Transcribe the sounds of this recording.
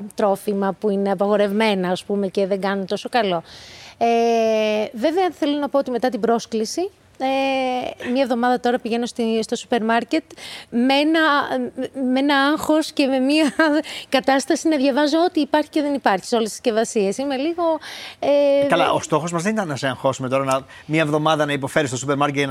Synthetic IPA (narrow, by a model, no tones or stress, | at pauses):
t̪ɾo̞fimɐpuine̞ɐpɐɣo̞ɾe̞vme̞nɐːspume̞ce̞ðeŋɡɐnunt̪o̞so̞kɐlo̞e | ve̞veɐθe̞lo̞nɐpo̞ot̪ime̞t̪ɐt̪ibɾo̞sklisi | e | mɲɐevðo̞mɐðɐt̪o̞ɾɐpiʝe̞no̞sst̪o̞su̥pe̞ɾmɐɾce̞t̪meenɐ | meenɐɐŋxo̞sce̞me̞miɐkɐt̪ɐst̪ɐsinɐðʝɐvɐzoo̞t̪iːpɐɾçi̥ceðe̞nipɐɾçi̥so̞lesi̥sce̞vɐsiesime̞liɣo̞ekɐlɐʔost̪o̞xo̞zmɐzðe̞nit̪ɐnːɐseɐŋxo̞sume̞t̪o̞ɾɐnɐ | mɲɐevðo̞mɐðɐnɐipo̞fe̞ɾist̪supeɾmɐɾcet̪